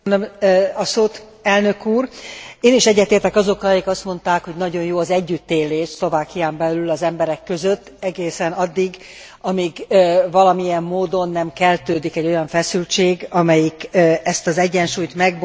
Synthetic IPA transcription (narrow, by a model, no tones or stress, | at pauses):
nømɒsoːt̪ | ɛlnø̞kuːreːniʃɛɟːɛt̪eːrt̪ɛkɒzo̞kɒjikɒst̪mo̞nt̪aːkho̞ɟnɒɟo̞njoːɒzɛɟːyt̪ːeːleːʃslo̞vaːkijaːmbɛlylɒzɛmbɛɾɛkːø̞zø̞t̪ːɛɡeːsɛnɒd̪ːiɡ | ɒmiːɡvɒlɒmijɛmːoːd̪o̞nːɛmkɛlt̪øːd̪ikɛɟːo̞jɒɱfɛsylt͡ʃeːɡɒmɛjikːɛst̪ɒzɛɟːɛnʃuːjt̪mɛɡ̚b